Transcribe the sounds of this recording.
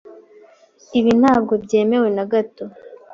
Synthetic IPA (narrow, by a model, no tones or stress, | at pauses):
iβin̥haːb̚ɡo̞bɟe̞ːme̞we̞naɡato̞